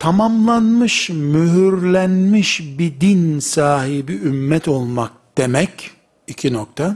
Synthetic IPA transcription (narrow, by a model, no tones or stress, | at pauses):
t̪ʰamamlˠanmɯʃmyɦyɾlʲænmiʃbid̪insaːhibiymːɛt̪ʰo̞lˠmak̚d̪̥emɛc | icʰinok̚t̪ʰa